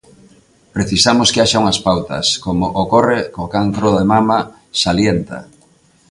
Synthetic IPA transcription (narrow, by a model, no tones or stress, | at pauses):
pɾeθisamoskeaʃauŋaspawt̪ɐ̰skomoʔokorekokaŋkɾoðemama | saljent̪a̰